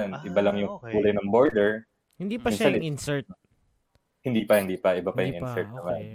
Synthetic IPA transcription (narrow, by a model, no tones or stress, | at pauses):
nʔɪbɐlɐŋjʊŋɡuːlɐjnɐŋbo̞ɹd̪ɛɹ | hɪnd̪ipɐinaɪnsɛɹt̪̚ | hɪnd̪iːpɐhɪnd̪iːpɐʔɪbapɐjʊŋʔɪnsɛɹt̪̚nnɐman